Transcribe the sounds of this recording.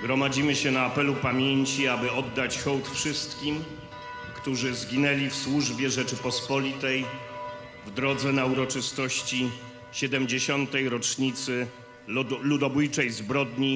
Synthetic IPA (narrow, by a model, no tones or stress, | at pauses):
ɡɾɔmad͡ʑimɘɕɛnaːpɛlupamʲjeɲt͡ɕiabɘɔd̪ːat͡ɕxɔwt̪fʂɘst̪kʲim | kt̪uʐɘzɡʲinɛlʲifswuʐbʲjɛʐɛt͡ʂɘpɔspɔlʲit̪ɛj | vd̪ɾɔd̪zɛnauɾɔt͡ʂɘst̪ɔɕt͡ɕi | ɕɛd̪ɛmd͡ʑeɕɔnt̪ɛjɾɔt͡ʂɲit̪sɘ | lud̪ɔbujt͡ʂɛjzbɾɔd̪ɲi